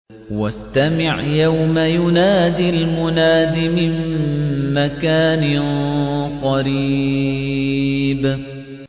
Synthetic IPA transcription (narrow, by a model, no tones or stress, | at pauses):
wast̪amɪʕjawmajʊnaːd̪ilmʊnaːd̪imɪmː | akaːnɪ | qɑɾiː | b